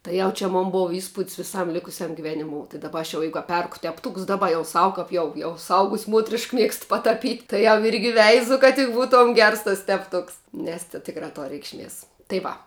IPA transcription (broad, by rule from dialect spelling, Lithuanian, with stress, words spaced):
tɐɪ ˈjɛʊ t͡ʃʲɛ ˈmoːn ˈbʊʋɐ iːˈspʊtʲs ʋʲɪˈsɐm ˈlʲɪkʊsʲɛm ɡʲɪˈʋʲæːnʲɪˌmoːʊ tɐɪ dɐˈbɐ ɐʃ jɛʊ ˈjɛɪɡʊ ɐ ˈpʲɛrkʊ tʲɛpˈtuːks ˈdɑːˌbɐ jɛʊ ˈsɐʊ kɐp ˈjɛʊ jɛʊ sʊˈɐʊɡʊsʲ ˈmuɔtʲrʲɪʃk ˈmʲiɛkst pɐtɐˈpʲiːtʲ tɐɪ jɛʊ ˈɪrʲɡʲɪ ˈʋʲɛɪzʊ kɐt ˈbuːˌtuɔm ˈɡʲɛrs tɐs tʲɛpˈtʊks nʲɛs tʲɪ ˈtʲɪkrɐ ˈtoːr rʲɛɪkʃʲˈmʲiɛs tɐɪ ˈʋɐ